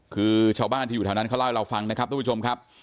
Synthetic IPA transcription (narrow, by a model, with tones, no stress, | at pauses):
kʰɯː˧t͡ɕʰaː˧wbaː˥˩nʰiː˥˩˨u˨˩a˧na˦˥nkʰa˥˩la˥˩ɾa˧wfa˧ŋna˦˥kʰa˦˥t̪ʰːt͡ɕo˧mkʰa˦˥p̚